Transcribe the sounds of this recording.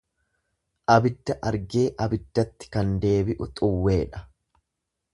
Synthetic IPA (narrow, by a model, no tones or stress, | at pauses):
ʔɐbɪd̪ːɐʔɐɾɡe̞ːʔɐbɪd̪ːɐt̪ːɪ̥kɐnd̪e̞ːbɪʔʊt̪ʼʊwːe̞ːᶑɐ̥